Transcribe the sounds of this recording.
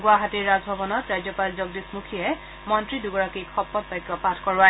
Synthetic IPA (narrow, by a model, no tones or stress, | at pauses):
ɡuaɦatiɹːazbʱɔbɔnɔtɹajd͡ʑjɔpalzɔɡ̚dismukʰijɛ | mɔntɹiduɡɔɹakikʰɔpːɔtbajkːɔpatʰkɔɹwa